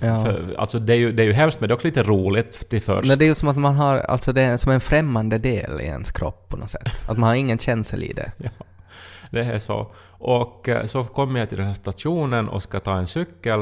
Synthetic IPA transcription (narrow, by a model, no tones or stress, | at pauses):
jɑːfœa̰lsɔd̪ɛæɾjɵd̪ɛæɾjɵɦɛmst̪mɛnd̪ɛɔksɔliːt̪əɾuːlɪt̪t̪ɪfœ̰ɾmɛd̪ɛæɾjɵsɔmat̪manɦaɾa̰lt̪sɔd̪ɛsɔmɛnfɾɛmːand̪əd̪ḛːlɪ̰ɛ̰nskʰɾɔ̰pːʰɔnɔsɛ̰t̪ːat̪manhaɾɪŋːənɕɛnsə̰lɪ̰d̪ɛ̰jɑːd̪ɛæʂɔ̰ | ʔɔkːsɔkʰɔmːjat̪ɪld̪ɛnhæːʂt̪at̪ʂuːnənɔ̰skat̪ʰɑːɛnsʏkːəl